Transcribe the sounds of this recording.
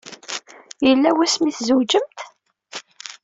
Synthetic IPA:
jəlːæwæsmiθzəwd͡ʒəmt̪

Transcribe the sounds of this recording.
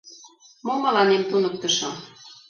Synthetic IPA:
momɑlɑnemt̪unək̚t̪ə̆ʃɤ̆

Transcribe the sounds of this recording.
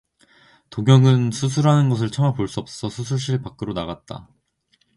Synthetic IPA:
toɡjʌŋɯnsʰus̬ʰuɾɦanɯnɡʌs̬ʰɯɭt͡ɕʰʌŋapoɭs͈uʌp̚s͈ʌ̥s͈ʰʌsʰusʰuɭɕ͈iɭpak͈ɯɾonaɣat̚t͈a̰

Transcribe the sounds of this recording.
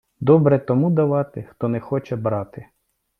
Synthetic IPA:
d̪ɔbɾɛt̪ɔmud̪ɐʋɑt̪ɪxt̪ɔnɛxɔt͡ʃɛbɾɑt̪ɪ

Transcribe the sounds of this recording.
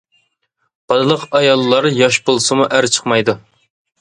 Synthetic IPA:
b̥ɑd̪ɨlˠəqɑjɑlˠːɑɾjɑʃbolˠɨsɨmuʔæɾt͡ʃʰə̥qmɑjd̪u

